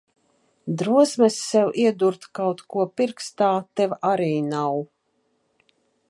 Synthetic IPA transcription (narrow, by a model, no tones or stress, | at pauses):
d̪ɾuɔsmɛsːɛwʔiɛd̪uɾt̪kawt̪kuɔpiɾkst̪aːt̪ɛvaɾiːnaw